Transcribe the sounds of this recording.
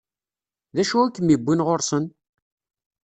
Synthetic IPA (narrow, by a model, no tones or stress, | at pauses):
ðæʃuækːəmibːinʁoɾsən